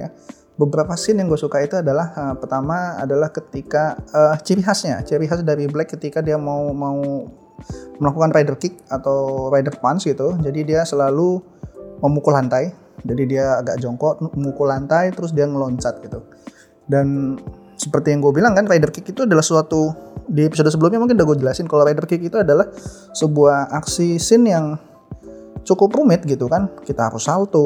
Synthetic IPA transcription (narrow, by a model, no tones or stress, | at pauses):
a | bəbəɾapasɪnjaŋɡuasukait̪uadalahəpərt̪ama̰ːdalahkət̪ikaət͡ʃiɾiɦasɲa̰t͡ʃiɾiɦasdaɾiblɛkːət̪ikadiamaumau | məlakukanrajdərkɪk̚at̪awɾajdərpansɡit̪ud͡ʒadidiasəlalu | məmukulant̪aj | d͡ʒadidiaːɡaʔd͡ʒɔŋkɔʔəmukulant̪ajt̪əɾʊs̬diaŋəlɔɲt͡ʃat̪̚ɡit̪u | dan | sə̥pərt̪ijaŋɡuabilaŋkanrajdərkɪkit̪uadalahsəsuat̪udiepis̬odsəbəlʊmɲamuŋkɪndaɡuad͡ʒəlasɪnkalaɾajdərkɪkit̪uadalah | səbuahaksisɪnjaŋ | t͡ʃukʊprumɪt̪̚ɡit̪ukankit̪aɦa̰ɾʊsalt̪u